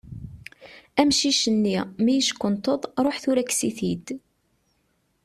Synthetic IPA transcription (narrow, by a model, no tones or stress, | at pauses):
æmʃiʃənːimijəʃkʷːənt̪ˤəðˤɾˤoħθʊɾækːsiθid̪